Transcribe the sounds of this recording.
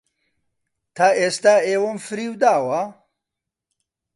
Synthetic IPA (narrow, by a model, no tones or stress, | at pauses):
t̪ʰaːʔeːst̪aːeːwomfɨɾiːwd̪aːwɐ